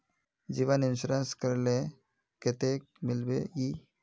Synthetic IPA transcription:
d͡ʒiʋəninʃuɾɐnskɐɾle | ket̪ek̚milbei

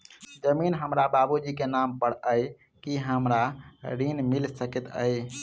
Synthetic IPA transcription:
d͡ʒəminɦəmɾababud͡ʒikenampəɽ̤əj | kiɦəmɾaɾinmilsəket̪ə̰j

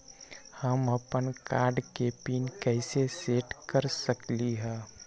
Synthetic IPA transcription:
həmɐpənkaːɾɖkepiːnkɛɦɪseseːʈkəɾsəkliɦɛ̃ː

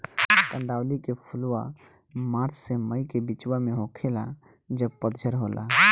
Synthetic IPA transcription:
t̪əɳɖawlikepʰuluwa | maɾt͡ʃseməjkebit͡ʃwameɦokʰela | d͡ʒəb̚pəd̪d͡ʒʱəɾɦolʔa̰

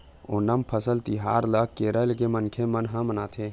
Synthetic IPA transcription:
oːnəmpʰəsəlt̪iɦaːɾləkkeːɾəlkemənkʰemənɦãmənaːt̪ʰeː

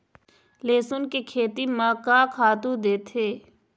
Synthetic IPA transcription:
leːsʊnkekʰeːt̪imãːkaːkʰaːt̪ud̪eːt̪ʰɦeː

